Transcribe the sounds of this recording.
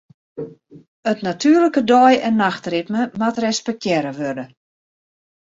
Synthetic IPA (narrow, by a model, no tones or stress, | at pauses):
ətnatʰyːərləkədɔjɛnːaxtrɪtməmatrɛspɛk̚tʰjɛɾəʋørdə